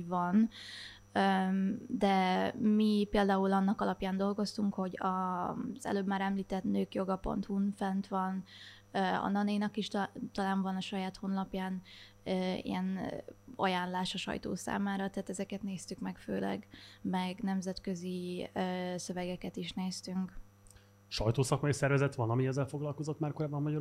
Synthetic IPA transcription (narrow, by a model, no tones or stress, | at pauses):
vɒn | ød̪ɛmipeːld̪aːulɒnːɒkɒlɒpjaːnd̪o̞lɡo̞st̪uŋkho̞ɟɒz̥ɛ̰løːbmaːɾɛmliːt̪ɛt̪nøːkjo̞ɡɒpo̞̰nt̪hunfɛnt̪ʋɒn | øɒ̰nɒneːnɒkiʃt̪t̪ɒlaːɱvɒnɒʃɒjaːt̪ho̞nlɒpjaːn | øḭjɛnɒ̰jaːnlaːʃɒʃɒ̰jt̪o̰ːsa̰ːmaːɾɒt̪aːt̪ɛzɛkɛt̪neːst̪ykmɛkfø̰ːlɛ̰ɡmɛɡnɛmzɛt̪kø̞ziː | sø̞vɛɡɛkɛt̪iʃneːst̪yŋk | ʃɒjt̪oːsɒkmɒjisɛrvɛzɛt̪ʋɒnɒmiɛzːɛlfo̞ɡlɒlko̞zot̪maːɾrkoɾaːbːɒnmɒɟɒ